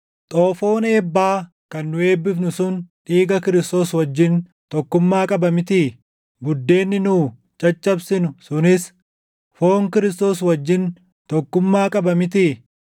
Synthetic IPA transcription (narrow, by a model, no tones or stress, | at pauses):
t̪ʼoːfo̞ːneːbːaː | kɐnːʊe̞ːbːɪfnʊsʊnᶑiːɡɐkɪɾɪst̪o̞ːswɐd͡ʒːɪn | t̪ɔkːʊmːaːkʼɐbɐmɪt̪iː | bʊd̪ːe̞ːnːɪnuː | t͡ʃʼɐt͡ʃʼːɐbsɪnʊsʊnɪs | fo̞ːŋkɪɾɪst̪o̞ːs̬wɐd͡ʒːɪn | tt̪ɔkːʊmːaːkʼɐbɐmɪt̪iː